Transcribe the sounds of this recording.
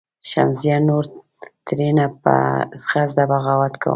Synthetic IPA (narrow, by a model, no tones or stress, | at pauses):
ʃa̰nzjanoɾ | t̪ɾenapə̰zɣazd̪abaɣawat̪kʰa̰wṵ